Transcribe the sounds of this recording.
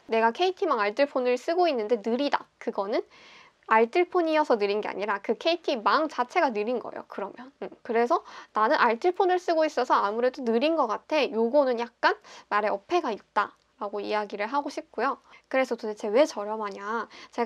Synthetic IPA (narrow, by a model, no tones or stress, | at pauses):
ne̞ɡakʰe̞itʰimaŋaɭt͈ʰɯɭpʰonɯɭs͈ɯɡoinːɯnde̞nɯɾida̰kɯɡʌnɯn | aɭt͈ʰɯɭpʰoɲijʌsʰʌnɯɾinɡe̞a̰ɲiɾakɯkʰe̞itʰimaŋt͡ɕat͡ɕʰe̞ɡanɯɾinɡʌejo̰kɯɾʌmjʌnkɯɾe̞s̬ʰʌnanɯnaɭtʰɯɭpʰonɯɭs͈ɯɡois͈ʌsʰʌamuɾe̞donɯɾinɡʌk͈atʰe̞joɡonɯnjak̚k͈anmaɾe̞ʌpʰe̞ɡait̚t͈a | ɾaɡoḭjaɡiɾɯɭɦaɡoɕʰip̚k͈ojokɯɾe̞sʰʌtoet͡ɕe̞we̞t͡ɕʌɾjʌmaɲat͡ɕe̞